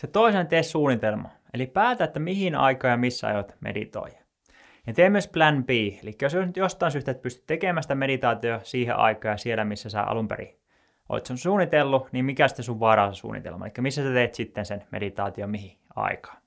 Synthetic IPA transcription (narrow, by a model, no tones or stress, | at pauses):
set̪oisent̪essuːnit̪elmɑ̰ | ḛlipæːt̪æet̪ːæmihinɑ̰ikɑːjɑmisːæɑ̰jot̪mḛdḭt̪o̰ijɑ̥ | jɑt̪eːmyøsplænpiːelikːæjososnyt̪jost̪ˑɑˑinsyht̪et̪̚pyst̪y̥t̪t̪ːekemæːsi̥t̪æmeɾit̪ɑːt̪iosiːɦḛʔɑ̰ikɑːjɑsielæmisːæsæ̰ʔɑ̰lumpḛɾḭ | ʔo̰it̪sunsuːnːit̪elːunimmikæsi̥t̪ːensuʋʋɑrɑːsɑsṵːnḭt̪ḛlmɑḛlikːæmisːæsæt̪eːt̪sit̪ːensenmḛdit̪ɑ̰ːt̪iomiɦi | ɑ̰ikɑ̥ːn